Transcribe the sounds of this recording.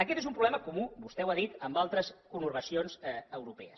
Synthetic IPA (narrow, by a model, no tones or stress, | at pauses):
əkɛt̪ezumpɾulɛməkumubust̪ɛwaðit̪əmbalˠt̪ɾəskunuɾβəsionzəwɾupɛəs